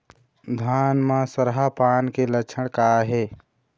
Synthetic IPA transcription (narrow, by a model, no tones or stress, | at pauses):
d̪ʱaːnmãsəɾɦapaːnkelət͡ʃʰəɽ̃kaːɦeː